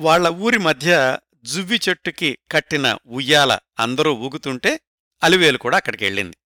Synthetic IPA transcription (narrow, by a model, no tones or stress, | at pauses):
ʋaːɭːɐuːɾimɐd̪ʱjɐ | d͡ʒuʋːit͡ʃeʈːukikɐʈːinɐ̰ujːaːlɐ̰ɐ̰nd̪ɐɾuːʋuːɡut̪uɳʈe̞ː | ɐliʋe̞ːlukuːɽaːɐkːɐɽɐkiḛɭːḭnd̪i